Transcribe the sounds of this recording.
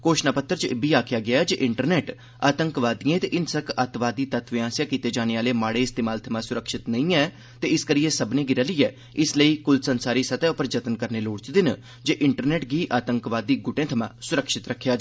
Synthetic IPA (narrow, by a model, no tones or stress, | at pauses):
koːʃnaːpət̪ːəɾt͡ʃəbiːaːkʰɪjaːɡɪaːɛːd͡ʒeːʔɪɳʈəɾnɛːʈ | a̰ːt̪əŋkʋaːd̪ijẽːt̪eʔɪnsəkat̪ʋaːd̪iːt̪ət̪ʰʋɪãːsjaːkiːt̪eːd͡ʒaːneːaːleːmaːɽeːɪst̪eːmaːlt̪ʰəmãːsʊɾəkʃɪt̪nəĩːɛː | t̪eːɪskəɾiːeːsəbnẽːɡɪɾəliːɛː | ɪsləiːkʊlsənsaːɾiːsət̪ɛːʊpəɾd͡ʒət̪ənkəɾneːloːɽt͡ʃd̪ɪn | d͡ʒeːʔɪɳʈəɾnɛːʈɡiːʔaːt̪əŋkʋaːd̪iːɡʊʈẽːt̪ʰəmã̰ːsʊɾəkʃɪt̪ɾəkʰːjaːd͡ʒ